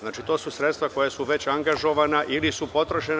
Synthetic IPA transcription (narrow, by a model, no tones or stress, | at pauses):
znaːt͡ʃit̪oːsusɾe̞t̪st̪ʋako̞jasuʋe̞t͡ɕaŋɡaʒo̞ʋanaʔilisupo̞t̪ɾoʃen